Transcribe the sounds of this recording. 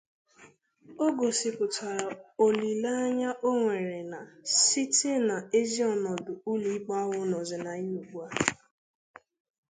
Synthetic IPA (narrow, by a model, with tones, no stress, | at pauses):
o˦ɡo˨sɪ˨pʊ˨tʰa˨ɾa˨o˨li˨la˦a˦ɲa˦ʔo˦ŋʷe˨ɾe˨na˨si˦te˦na˨e˦zi˦ɔ˨nɔ˨dʊ˨u˦li˦i˦k͡pa˦ɦʊ˦nɔ˨zɪ˨na˨ɲi˦u˨kʷu˦a˦